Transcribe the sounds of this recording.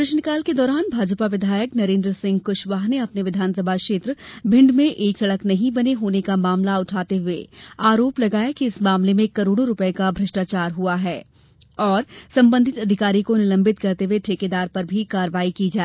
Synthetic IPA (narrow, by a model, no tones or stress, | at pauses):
pɾɪʃnkaːlked̪ɔːɾaːnbʱaːd͡ʒəpaʋɪd̪ʱaːjəknɐɾẽːnd̪ɾəsɪ̃ŋɡkʊʃʋaːɦneɐpneʋɪd̪ʱaːnsəbʱakʃeːt̪ɾəbʱɪ̃ɳɖmẽʔeːksɐɽəknɐɦĩbɐneɦoːnekamaːmlaʊʈʰaːt̪eɦʊḛaːɾoːplɐɡaːjakiɪsmaːmlemẽkɐɾoːɽ̃õɾʊpəekabʱɾɐʃʈaːt͡ʃaːɾɦuaɦɛː | ɔːɾsɐ̃mbə̃nd̪ʱɪt̪ɐd̪ʱɪkaːɾikonɪlə̃mbɪt̪kɐɾt̪eɦeʈʰeked̪aːɾpɐɾbʱikaːɾʋaːikid͡ʒaːe